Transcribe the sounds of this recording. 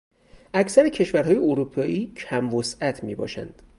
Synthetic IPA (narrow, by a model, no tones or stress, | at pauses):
ʔæcsæɾecʰe̞ʃvæɾɦhɒːjeoɾupʰɒːʔiːcʰæmvosæt̪ʰmiːbɒ̰ːʃæ̰nd̪̥